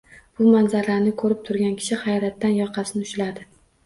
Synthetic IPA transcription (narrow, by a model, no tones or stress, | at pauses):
b̥ʊmanzaɾlaɾnɪkʰɵɾɪp̚t̪ʰʊɾɡʲankʲʰɪ̥ʃɪhɑjɒɾat̪ːanjɒqʰɑsɪnɪʊʃlad̪ɪ